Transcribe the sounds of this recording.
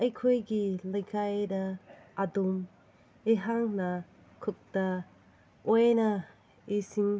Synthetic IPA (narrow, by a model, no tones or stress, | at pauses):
ʔɐjkʰojɡilɐjkʰajdɐː | dum | eɦaŋnɐ | kʰuk̚tɐ | ojnɐ | isiŋ